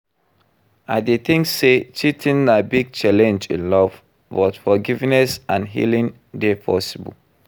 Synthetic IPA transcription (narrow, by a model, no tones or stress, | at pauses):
aɪdeθĩŋkset͡ʃitʰĩnabiɡ̚t͡ʃalɛ̃nd͡ʒḭ̃nlɔv | wɔtfɔɡivnɛsãnɦḭlĩn | depʰɔ̰sibə̰l